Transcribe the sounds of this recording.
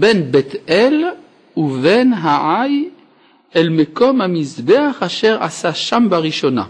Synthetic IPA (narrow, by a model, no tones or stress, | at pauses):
benbet̪ʔel | uvenɦaʕaj | ʔelmeko̞mhamizbeaχaʃeʁʔa̰saʃambaʁiʃona̰